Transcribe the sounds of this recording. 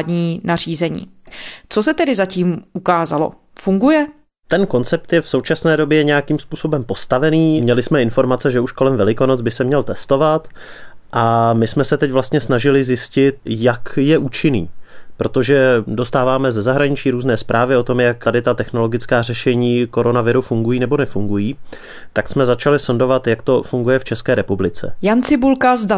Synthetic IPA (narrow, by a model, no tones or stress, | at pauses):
dɲiːnariːzɛɲḭː | t͡sos̬ɛt̪ɛdɪzaciːmukaːzalo̞̰ | fuŋɡujɛ | t̪ɛnko̞nt͡sɛp̚t̪jɛfso̞wt͡ʃasnɛːdobjɛɲɛjakimspuːso̞bɛmpo̞st̪avɛniːmɲɛlɪsmɛɪnfo̞ɾmat͡sɛʒɛuʃko̞lɛmvɛlɪko̞nod͡zbɪsɛmɲɛlt̪ɛst̪o̞vat̪ | ʔamɪsmɛsɛt̪ɛcvlast̪ɲɛsnaʒɪlɪzjɪscɪt̪̚jakjɛʔuːt͡ʃɪnḭːpɾo̞t̪o̞ʒɛdo̞st̪aːvaːmɛzɛzaɦɾaɲɪt͡ʃiːɾuːznɛːspɾʔaːvɪo̞t̪o̞mjak̪adɪt̪at̪ɛxno̞lo̞ɡɪt͡skaːr̝ɛʃɛɲiːko̞ɾo̞navɪɾufuŋɡujiːnɛbo̞nɛfuŋɡujiː | t̪aksmɛzat͡ʃalɪsondo̞vat̪jakt̪o̞fuŋɡujɛft͡ʃɛskɛːɾɛpublɪt͡sɛ̰jant͡sɪbulkazda